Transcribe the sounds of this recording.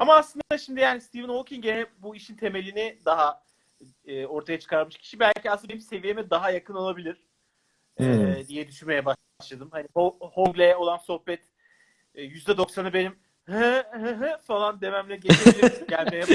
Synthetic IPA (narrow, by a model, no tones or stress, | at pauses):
amaːslˠɯnd̪aʃimd̪ijaːnist̪ʰivɯnholˠcʰinɟenɛbuiʃint̪ʰe̞me̞lʲinɪd̪aɦaː | o̞ɾt̪ʰajat͡ʃʰɯ̥kaɾmɯʃcʰi̥ʃibælʲcʰiasɯnimse̞vijemɛd̪aɦajakɯnolˠabilʲiɾ̥ | ɛːd̪ijɛd̪yʃyme̞jɛba | ʃlˠad̪ɯmhanihohoɡlʲejɛo̞lˠanso̞hpɛt̪ː | jyzd̪ɛd̪o̞ksanɯbenim | hɛhɦɛ̃falˠand̪e̞mæmlʲɛɟet͡ʃeilʲismɟælʲmejɛ